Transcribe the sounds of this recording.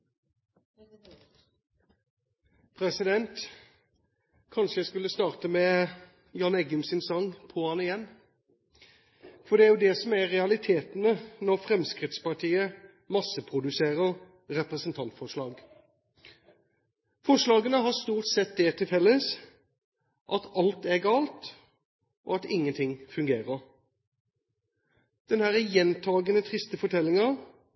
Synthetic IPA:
pʰɾɛsɪd̪ɛnt̪ | kʰɑnʂəjæɪskʉlːəst̪ɑːʁt̪əmɛ | jɑːnɛɡʉmsɪnsɑŋpʰɔhɑnɪjɛnː | fɔd̪ɛæɾjʊːd̪ɛsɔmæʁɛɑlɪt̪ʰeːt̪nənɔʁfɾɛmskɾɪt̪spɑʁʈ̪ʰiːə | mɑsəpʰʁʊd̪ʉseːʁəʁ | ɾɛpɾəsənt̪ʰɑnt̪fɔʂlɑːɡ | fɔʂlɑːɡənəɦɑst̪uːʁʈ̪sɛt̪̚d̪ɛt̪ʰɪlfɛlːəs | ʔɑt̪ɑlt̪æɡɑːlt̪ | ʔɔɑt̪ɪŋːənt̪ʰɪŋfʉŋɡeːʁəʁ | d̪̥ɛnhæːɾəjɛnt̪ʰɑːɡənət̪ʰʁɪst̪əfɔʈʰɛlːɪŋəʁ

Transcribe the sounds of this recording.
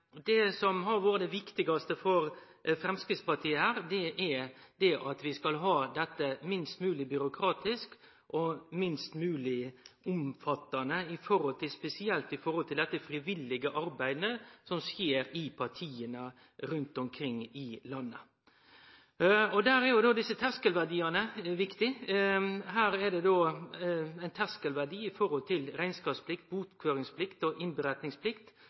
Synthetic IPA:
d̪ɛsɔmɦɑɾʋoːɾəd̪ɛʋɪkt̪ɪɡɑst̪əfɔɾ | fɾɛmskɾɪt̪spɑɾt̪ʰiːəhæːɾd̪ɛʔæd̪ɛʔɑt̪ʋɪskɑlɦɑːd̪ɛt̪ːəmɪnst̪mʉːlɪbʏɾʊkʰɾɑːt̪ɪsk | ʔɔmɪnst̪mʉːlɪʊmfɑt̪ːɑnəɪfɔɾɔlt̪ʰɪlspɛsɪɛlt̪ɪfɔɾɔlt̪ʰɪld̪ɛt̪ːəfɾɪʋɪlːɪɡəʔɑɾbæɪd̪əsɔmsjeːɾɪpʰɑɾt̪ʰiːənə | ɾʉnt̪ɔmkʰɾɪŋːɪlɑnːə | ɔd̪æːɾæɾjʊd̪oːd̪ɪsːət̪ʰæskəlʋæʁd̪iːɑnəʋɪkt̪ɪ | hæːɾɛd̪ɛd̪oː | æɪnt̪ʰæskəlʋæd̪iːɪfɔɾɔlt̪ʰɪlɾæɪnskɑːpspʰlɪkt̪̚buːt̪kʰʋøːɾɪŋspʰlɪkt̪ɔʔɪnbəɾɛt̪nɪŋspʰlɪkt̪

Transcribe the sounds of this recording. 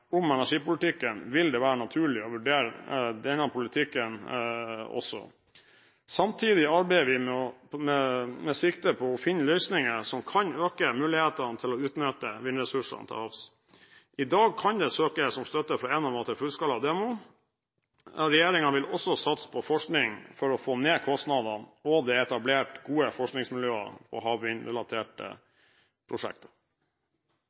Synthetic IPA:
ʊmɛnæʂiːpʊlɪt̪ɪkːənʋɪld̪ɛʋæːɾənɑt̪ʰʉːɭɪɔʋʉɖeːɾd̪ɛnːəpʰʊlɪt̪ʰɪkːən | ɔ̰sːɔ̰ | sɑmt̪ʰiːd̪ɪɑɾbɛɪəʋɪmɛɔmɛmɛsɪkt̪əpʰɔɔfɪnːlœʏsnɪŋəsɔmkʰɑnøːkəmʉːlɪheːt̪ɑnt̪ʰɪlɔʉːt̪nœt̪əʋɪnəɾɛsʉʂɑ̰nt̪ʰɛ̰lɑfs | ʔɪd̪ɑːɡ̚kʰɑnd̪ɛsøːkəsɔmst̪œt̪əfɾɔɛnɑʋɑt̪əfʉlskɑlɑd̪eːmʊ | ɾɛjeːɾɪŋɑʋɪlɔsːɔsɑt̪spʰɔfɔʂknɪŋfɔɾɔfoːneːkʰɔst̪nɑd̪ɑnɔd̪ɛɛt̪ɑbleːʈɡuːəfɔʂknɪŋsmɪljøːɑ̰pʰɔ̰ɦɑːʋʋɪnɾɛlɑt̪ʰeːʈə̰ | pʰɾʊʂɛ̰k̚t̪ɑ

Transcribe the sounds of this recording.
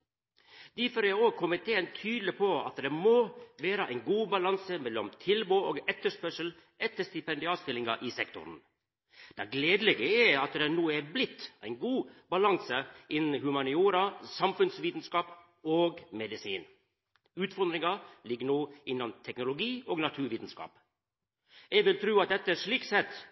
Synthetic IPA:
d̪̥ifɔɾɛoːɡkʰʊmɪt̪ʰeːənt̪ʰyːd̪l̩ɪpʰɔɑ̰t̪d̪ɛmoːʋeːɾəʔæɪnɡuːbɑlɑnsəmɛlːɔmt̪ʰɪlboːoːɡɛt̪ːəʂpœʂəl̩ | ʔɛt̪ːəʂt̪ɪpɛnd̪ɪɑːst̪ɪlɪŋɑ̰ʔɪsɛkt̪ʊ̰ɾn | d̪̥ɛɡleːd̪əlɛɡəɛɑt̪d̪ɛnuːæblɪt̪ːʔæ̰ɪnɡuːbɑlɑŋsəʔɪnn̩hʉmɑnɪuːɾɑsɑmfʉnsʋiːt̪n̩skɑːp | oːɡmɛd̪ɪsiːn | ʉːt̪fɔɾd̪ɾɪŋɑlɪɡːənoːɪnːɑnt̪ʰɛknʊlʊɡiːoːɡnɑt̪ʰʉːɾʋiːt̪n̩skɑ̰ːp | ɛɡʋɪlt̪ʰɾʉːɑt̪̚d̪ɛt̪ːəʂɭiːksɛt̪ː

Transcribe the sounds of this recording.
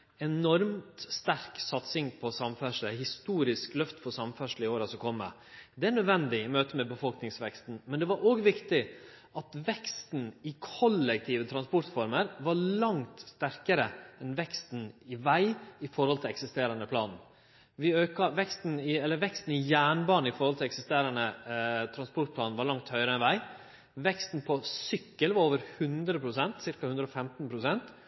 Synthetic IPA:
ɛnɔɾmt̪st̪æɾksɑt̪sɪŋpʰɔsɑmfœʂləhɪst̪uːɾɪsklœft̪fɔsɑmfœʂl̩ɪoːɾɑsɔkʰɔmːə̰ | d̪ɛæɾɳœd̪ʋɛnd̪ɪmøːt̪əmɛbəfɔlknɪŋsʋɛkst̪n̩mɛnd̪ɛʋɑɾʔoːɡʋɪkt̪ɪ | ʔɑt̪ʋɛkst̪n̩ɪkʰɔlːɛk̚t̪ʰiːʋət̪ʰɾɑnspɔt̪fɔɾməɾʋɑɾlɑŋt̪st̪æɾkəɾəɛnʋɛkst̪n̩ɪʋæɪɪfɔɾhɔlt̪ʰɪlɛksɪst̪eːɾɑnəpʰlɑ̰ːnn | ʋɪøːkɑʋɛkst̪n̩ɪɛlːəɾʋɛkst̪n̩ɪjæːɳbɑːnɪfɔɾhɔlt̪ɪlɛksɪst̪eːɾɑnət̪ʰɾɑnspɔʈ̪̚pʰlɑːnʋɑɭɑŋt̪hœʏəɾəɛnʋæɪ | ʋɛkst̪n̩pʰɔsʏkːəlʋɑɾoːʋəɾhʉnd̪ɾəpʰɾʊsɛnt̪sɪɾkɑhʉnd̪ɾofɛmt̪n̩pʰɾʊsɛnt̪

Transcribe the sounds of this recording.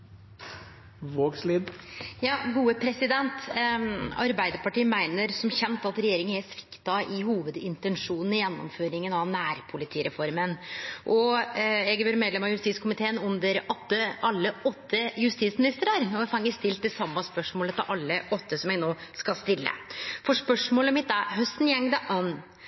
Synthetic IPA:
ʋoːɡsliːd̪jɑːɡuːəpʰɾɛsɪd̪ɛnt̪ | ɑ̰ɾbæɪd̪əɾpɑʈiːmæɪnəɾsɔmçɛnt̪ɑt̪ɾɛjeːɾɪŋənɛsʋɪ̥kt̪ɑʔɪhuːʋəd̪ɪnt̪ɛnʂuːnn̩ɪjɛnːɔ̰mføːɾɪŋənɑnæːɾpʰʊlɪt̪ʰiːɾɛfɔɾmənʔɔɛɡʋøɾmeːd̪lɛmɑjʉst̪iːt̪skʰʊmɪt̪ʰeːənʉnd̪əɾʔɔt̪ːəɑlːəʔɔt̪ːəjʉst̪iːt̪smɪnɪst̪əɾɑɾɔfɑŋːəst̪ɪlt̪d̪ɛsɑmːɑspœʂmoːlət̪ʰɪlʔɑlːəʔɔt̪ːəsɔmɛɡnoːskɑlst̪ɪlːə̰fɔʂpœʂmoːləmɪt̪̚ːæɦœst̪n̩jɛŋd̪ɑʔɑn

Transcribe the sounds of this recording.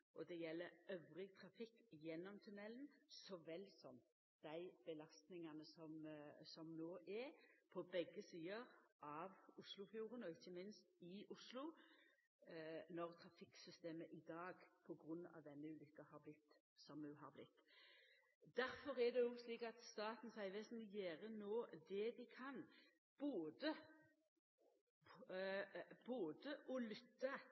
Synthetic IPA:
ʔɔd̪ɛjɛlːəɾœʋʁɪt̪ʰɾɑfɪkːjɛnːɔmt̪ʰʉnɛlnsɔʋɛlːsɔm | d̪̥æɪb̥əlɑst̪nɪŋɑnəsɔmsɔmnoːʔɛpʰɔbɛɡːəsiːəʁʔɑʋʊslʊfjuːʁənɔɪçːəmɪnst̪ɪʔʊslʊ | nɔʁt̪ʰɾɑfɪksʏst̪eːməʔɪd̪ɑːɡpʰɔɡʁʉnːɑ̰ʋd̪ɛnːəʉːlʏkːəhɑːɾblɪt̪ː | sɔmʉːɦɑ̰ɾblɪt̪ː | d̪̥æɾfɔʁɛd̪ɛjʊsliːkɑt̪st̪ɑːt̪n̩sæɪʋeːsn̩ɪjeːʁənoːd̪ɛd̪ɪkʰɑn | b̥oːd̪ə | boːd̪əʔɔlʏt̪ːə

